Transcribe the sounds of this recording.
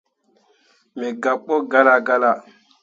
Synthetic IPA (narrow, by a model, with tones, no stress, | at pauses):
me˨ɡa˨ɓo˦ɡa˦la˦ɡa˦la˨